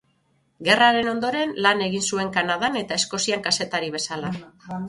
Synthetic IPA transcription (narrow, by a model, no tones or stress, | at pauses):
ɡe̞raɾe̞no̞nd̪o̞ɾe̞nlane̞ɣinsue̞ŋkanaðane̞t̪ae̞sko̞siaŋkase̞t̪aɾiβ̞e̞sala